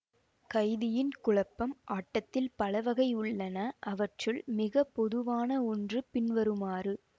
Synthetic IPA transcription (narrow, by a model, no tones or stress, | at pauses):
kɐɪðɪjɪnkʊɭɐpːɐmʔaːʈːɐt̪ːɪlpɐlɐʋɐɣɐɪʊɭːɐnɐʔɐʋɐʈrɯɭmɪɣɐpːɔðɯʋaːnɐɔndrɯpɪnʋɐɾɯmaːrɯ